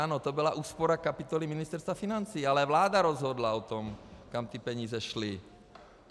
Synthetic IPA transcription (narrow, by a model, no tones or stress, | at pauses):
aːnot̪obilaʔuːspɔɾakapit̪ɔliminist̪ɛɾst̪vafinant͡siːalɛvlaːd̪aɾɔzɦɔd̪laot̪ɔmkamt̪ipɛɲiːzɛʃli